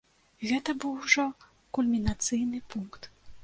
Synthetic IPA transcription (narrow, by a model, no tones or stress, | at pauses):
ɣɛt̪ɐbɨwʐɔ | kulʲmʲinat̪sɨjnɨpunkt̪